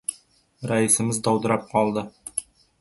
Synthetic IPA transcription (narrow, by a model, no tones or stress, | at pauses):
ɾɑisə̆məzd̪ɑwd̪ə̆ɾɑp̚qɑlˠd̪ə